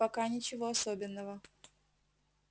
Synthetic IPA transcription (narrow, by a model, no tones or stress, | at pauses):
pɐkanʲɪt͡ɕɪvoɐsobʲɪnːəvə